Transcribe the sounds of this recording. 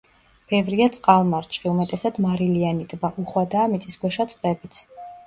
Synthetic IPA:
b̥ɛvɾiat̪sʼqʼalˠmaɾt͡ʃʰʼχiumɛt̪ʼɛsad̪̥maɾilianit̪ʼbaʔuχwad̪aːmit̪ʼisɡwɛʃat̪sʼqʼlɛbit̪sʰ

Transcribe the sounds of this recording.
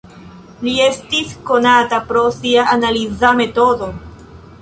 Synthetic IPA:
lie̞stisko̞natapɾo̞siaʔːnalizame̞to̞do̞

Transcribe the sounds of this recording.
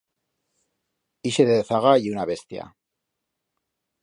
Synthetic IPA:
iʃeðeθaɣaiunaβe̞st̪ja̰

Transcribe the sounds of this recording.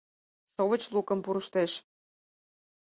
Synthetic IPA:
ʃoβə̆t͡ɕlukə̆mpuɾəʃt̪eʃ

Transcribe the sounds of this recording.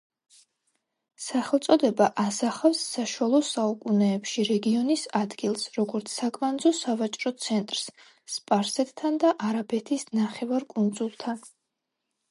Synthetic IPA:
saχɛlˠt̪sʼɔd̪ɛbaʔasaχafsːaʃualˠɔsaukʼunɛːpʃiɾɛɡiɔnisad̪ɡilˠsɾɔɡɔɾt̪sʰsakʼmand̪zɔsavat͡ʃʼɾɔt̪sʰɛnt̪ʼɾs | spʼaɾsɛt̪t̪ʰand̪aʔaɾabɛt̪ʰisnaχɛvaɾkʼund̪zulˠt̪ʰan

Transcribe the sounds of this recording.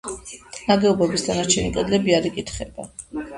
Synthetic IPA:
naɡɛɔbɛbisd̪anat͡ʃʰɛnikʼɛd̪lɛbiaɾikʼit̪ʰχɛba

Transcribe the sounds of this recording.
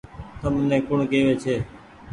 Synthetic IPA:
t̪əmnẽːkʊɳkeːʋeːt͡ʃʰeː

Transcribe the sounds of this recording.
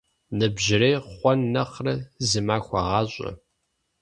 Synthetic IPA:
nɨbʒɪrejχʷɔnːɐχrɐzɨmaːxʷɐʁɑːɕʼɐ̰

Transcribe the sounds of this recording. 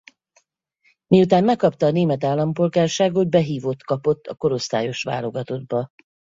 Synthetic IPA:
miut̪aːmmɛkːɒpt̪ɒːneːmɛt̪aːlːɒmpo̞lɡaːrʃaːɡod̪̚bɛɦiːvo̞t̪kɒpo̞t̪ːɒko̞ɾo̞st̪a̰ːjo̞ʃʋa̰ːlo̞ɡɒt̪o̞d̪̚bɒ

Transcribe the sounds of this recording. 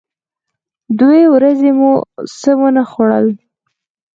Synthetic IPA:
d̪wewɾazemusəwənaxoɽə̰l

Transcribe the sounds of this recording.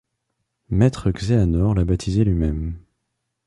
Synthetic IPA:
mɛt̪χəɡzeanɔʁlabat̪ʰizelɥimɛm

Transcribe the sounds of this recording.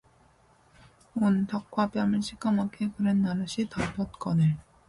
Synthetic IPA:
ontʌkʰwap͈jʌmɯɭɕʰik͈amakʰekɯɾenːaɾɯɕʰitʌɭpʰʌt̚k͈ʌnɯɭ

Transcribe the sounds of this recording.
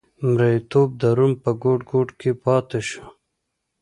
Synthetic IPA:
mɾait̪oːb̚d̪aɾumpəɡoʈɡoːʈkepɑːt̪eʃu̥

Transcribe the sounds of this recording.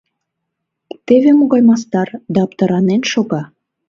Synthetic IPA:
t̪evemoɣɑjmɑs̬t̪ɑrd̪ɑɑpt̪ɑɾɑnenʃoɣɑ

